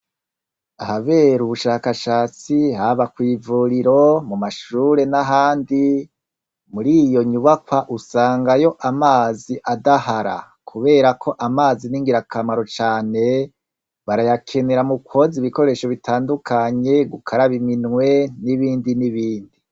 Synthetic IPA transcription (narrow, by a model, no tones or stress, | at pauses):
ahaβe̞ɾuβuʃaːkaʃaːt͡siɦaβakwiːvuɾiɾo̞mumaʃuɾe̞naɦaːndi | muɾijo̞ɲuβakwaʔusaːŋɡajo̞ʔamaːziʔadahaɾa̰ | kʰuβe̞ːɾakʰo̞ʔamaːziniŋɡiɾakʰamaɾo̞t͡ʃaːne̞ | βaɾajakʰe̞neɾamukʰwo̞ziβiko̞ɾe̞ʃo̞βitaːndukʰaɲe̞ɡukʰaɾaβiminŋwe̞niβiːndiniβiːndi